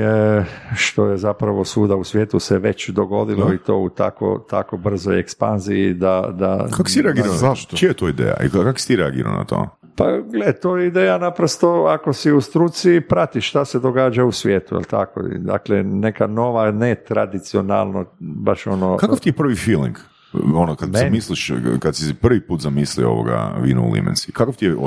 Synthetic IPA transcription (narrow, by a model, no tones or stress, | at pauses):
ʃt̪o̞jezapɾaʋosuːd̪ausʋjeːt̪useʋet͡ɕd̪oɡo̞d̪iloit̪o̞̰ːut̪a̰ko̰t̪a̰kobr̩zojekspa̰nziid̪ad̪a̰kakosiɾeaɡiːɾazaʃt̪t͡ʃiet̪oid̪ḛːja̰ḭakako̥si̥t̪iɾea̰ɡḭːɾa̰l̰na̰t̪o̰ | paɡlet̪oːjeid̪eːjanapɾost̪o̞akosiust̪ɾut̪sipɾat̪iʃʃt̪ased̪oɡaːd͡ʒausʋʲjeːt̪ujḛlt̪a̰ko̰ḭd̪a̰klenekano̞ʋanet̪ɾad̪it̪siona̰lˠnobaʃonokaoft̪iepr̩ʋifiːlˠḭŋk | onokad̪zmisliʃkad̪sispr̩ʋipuːt̪zamislio̞̰ʋo̰ɡa̰ʋḭːnṵṵlḭmḛnsikakoft̪ijeo